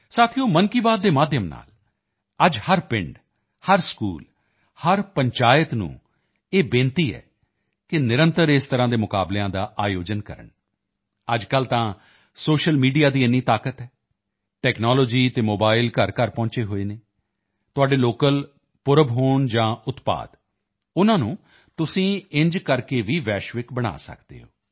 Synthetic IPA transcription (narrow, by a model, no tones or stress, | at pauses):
saːt̪ʰijõːmənkiːbaːd̪̚ːeːmaːd̪ʱjəmna̰ːl | əd͡ʒhəɾpɪ̃ɳɖ | həɾskṵːl | həɾpəɲt͡ʃaːjət̪nṵ̃ː | eːbẽːnt̪iːɛ̰ː | kɪnɪɾə̃nt̪əɾeːst̪əɾãːd̪eːmʊka̰ːbleãːd̪aːʔaːjoːd͡ʒənkə̰ɾə̰ɳ | əd͡ʒkəlt̪ãː | soːʃəlmiːɖijaːd̪iːɪnːiːt̪aːkət̪ɛː | ʈɛːknɔːloːd͡ʒiːt̪eːmoːbaːɪlkəɾkəɾpɔ̃ːɲt͡ʃeːɦoːeːneː | t̪ʊaːɖeːloːkəl | pʊɾəbɦoːɳd͡ʒãːʊt̪pa̰ːd̪ | ʊnãːnũː | t̪ʊsĩːɪɲd͡ʒkəɾkeːʋiːʋɛːʃʋɪkbəɽ̃a̰ːsə̰kd̪ḛːɦo̰ː